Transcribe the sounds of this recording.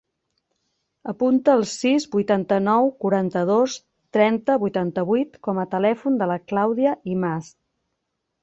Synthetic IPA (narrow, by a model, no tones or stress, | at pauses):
əpunt̪əːlˠsizbujt̪ant̪ənɔwkuɾant̪əðos | t̪ɾɛnt̪əβujt̪ant̪əβujt̪kɔmət̪əlɛfund̪ələklawðiəʔimas